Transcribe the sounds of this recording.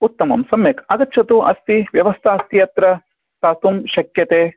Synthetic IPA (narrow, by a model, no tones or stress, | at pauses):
ut̪ːɐmɐ̰msɐmjɐkɐɡɐtːʃʰɐt̪uɐ̰st̪iʋjɐʋɐst̪ʰaːst̪ʰiɐt̪ɾɐ | saːt̪umʃɐkjɐt̪eː